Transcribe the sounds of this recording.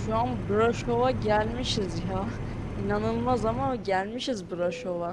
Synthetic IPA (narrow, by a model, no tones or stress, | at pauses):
ʃuanbuɾaʃovaɟælʲmiʃizja | inanɯlˠmazamanɟælʲmiʃizbuɾaʃova